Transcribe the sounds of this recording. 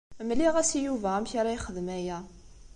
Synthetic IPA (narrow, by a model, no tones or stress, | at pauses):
mliʁæsijuvææmçaɾˤajχəðmæjæ